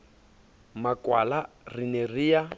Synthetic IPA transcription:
makwa̰la | rinerija

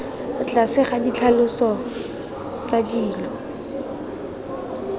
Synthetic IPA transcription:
t͡ɬasɪχadit͡ɬʰalʊsɔ | t͡sadiːlɔ

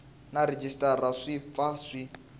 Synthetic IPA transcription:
naɾed͡ʒistʼaraʂifasʷi

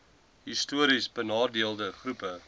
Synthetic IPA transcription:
ɦistuəɾisbənɑːrdiəlˠdəχrupə

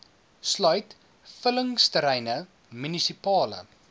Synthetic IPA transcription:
slœɥt | fələŋstəɾɛjnə | mynisipɑːlə̰

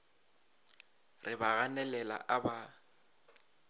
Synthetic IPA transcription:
rɪbaɣanɛlɛla̰ʔaba

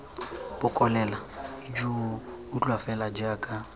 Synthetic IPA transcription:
bʊkʼɔnɛlaid͡ʒu | ʊt͡ɬʼwafɛlad͡ʒaːkʼa

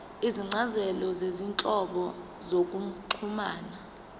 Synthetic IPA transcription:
iziŋ͡ǀazɛlɔzezinǁʼɔɓɔ | zok̬ʼuǃʰumaːna

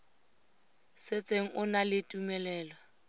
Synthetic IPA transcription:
sɪt͡sʼeŋ̩ʔʊnalɪtʼumɛlɛːlwa

